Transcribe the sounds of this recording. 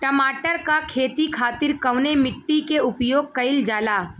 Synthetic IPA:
ʈɐmaːʈəɾkakʰeːt̪ikʰaːt̪ɪɾkɐʋnemɪʈːikeʊpjoːɡ̚kɐɪld͡ʒaːlaː

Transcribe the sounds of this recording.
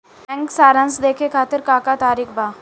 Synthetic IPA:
ɛ̃ŋksaːɾãnsd̪eːkʰekʰaːt̪ɪɾkaːkat̪aːɾikʰbaː

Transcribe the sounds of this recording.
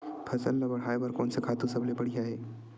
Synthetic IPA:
pʰɐsəlːabɐɽ̤aːebɐɾkɔːnsekʰaːt̪ũsɐblebɐɽijaɦɛː

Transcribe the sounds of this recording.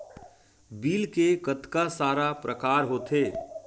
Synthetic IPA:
biːlkekət̪kasaːɾapɾəkaːɾɦoːt̪ʰeː

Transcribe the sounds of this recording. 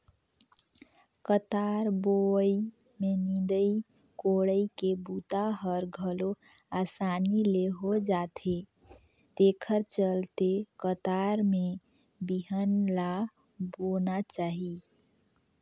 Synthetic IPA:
kət̪aɾboimenĩd̪əi | koɽəikebut̪aɦəɾɡʱəlo | asanileɦod͡ʒat̪ʰe | t̪ekʰəɾt͡ʃəlt̪ekət̪aɾme | biɦənla | bonat͡ʃaɦi

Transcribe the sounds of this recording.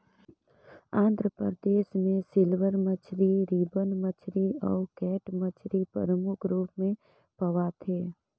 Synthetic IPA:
ãːnd̪ʱɾəpəd̪eːʃmẽsɪlʋəɾmət͡ʃʰɾiɾiːbənmət͡ʃʰɾiɔːkɛːʈmət͡ʃʰɾipə̰ɾəmʊkʰɾuːpmẽ | pəʋat̪ʰeː

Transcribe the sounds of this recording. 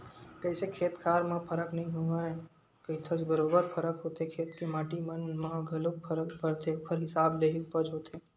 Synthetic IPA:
kəisekʰeːt̪kʰaːɾmãpʰəɾəknɐɦĩɦõɡaẽ | kɐit̪ʰəsbəɾoːbəɾpʰəɾəkɦoːt̪ekʰeːt̪kemaːʈimənmãɡʱɐlok̚pʰəɾəkpəɾt̪ʰeʊkʰəɾɦɪsaːbleɦipəd͡ʒɦoːt̪eː

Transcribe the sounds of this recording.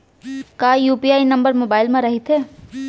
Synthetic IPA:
kaːjuːpiaːinɐ̃mbəɾmoːbaːɪlmẽɾɐɦit̪ɦeː

